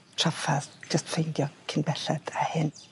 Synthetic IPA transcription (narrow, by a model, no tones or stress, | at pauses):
tʰrafaðd͡ʒəstfejndjɔkʰɪnbɛɬɛd̥ahɪn